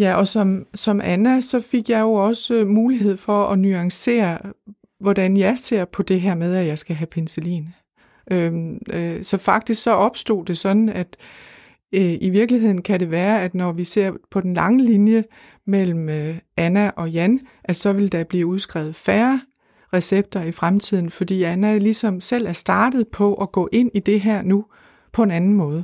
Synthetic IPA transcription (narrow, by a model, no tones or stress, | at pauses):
jæʔɒ̽sɒ̽msɒ̽mʔænæsɒ̽feɡ̥jɑ̈ɪjo̝ɒ̽səmuːliɦe̝ð̞̰ˠfɒ̽ɒ̽nyɑ̈ŋse̝̰ːɐ | ʋɒd̥ænjɑ̈ɪse̝ɐ̰pʰɒ̽d̥e̝ɦæɐ̰með̞ˠæjɑ̈ɪsɡ̥æɦæpʰenselḭːn | ʔø | sɒ̽fɑ̈ɡ̥̚d̥isɡ̥sɒ̽ʔɒ̽b̥sd̥o̝̰ːd̥e̝sɒ̽d̥n̩æd̥ | iʋiɐɡ̥liɦe̝ð̰ˠn̩kʰæɾe̝ʋæːɐæd̥nɒʋise̝ɐ̰pʰɒ̽d̥en̩lɑ̈ŋəlinjə | mel̰m̩øænæʔɒ̽jænʔæ̥sɒ̽ʋe̝ld̥æb̥liːuð̞ˠsɡ̥ʁɛ̰ʊð̩ˠfæːɐ | ʁɛseb̥̚d̥ɐifʁamt͡sʰið̰ˠn̩fɒ̽d̥ḭːænælisɒ̽msel̰æɐsd̥ɑ̈ːd̥ð̞̩ˠpʰɒ̽ʔɒ̽ɡ̥ɔ̰̽ːʔe̝n̰id̥e̝ɦæɐ̰nu | pʰɒ̽e̝nænn̩mɔ̽ːð̞̩ˠə